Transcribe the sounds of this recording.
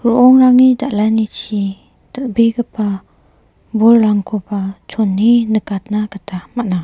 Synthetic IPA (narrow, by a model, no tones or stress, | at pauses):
ɾuʔɔŋɾaŋidaʔlanit͡ʃi | təʔ̚biɡəpa | bɔlɾaŋkʰupat͡ʃʰɔnːinəkat̪̚naɡətʰamaʔna